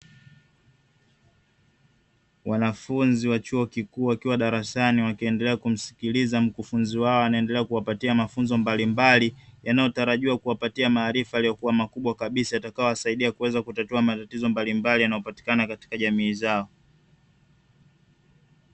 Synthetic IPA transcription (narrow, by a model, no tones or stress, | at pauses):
wanafunziwat͡ʃuɔkikuːwakiwaɗaɾasaniwakiɛndɛlɛakum̩si̥kilizam̩kufunziwaɔwanaɛndɛlɛakuwapatiamafunzɔmbalimbalijanajɔtaɾaʄiwakuwapatiamaːɾifajalijɔkuwamakuɓwakaɓisajatakajɔwasaiɗiakuwɛzakutatuamatatizɔmbalimbalijanajɔpati̥kanakati̥kaʄamiːzaɔ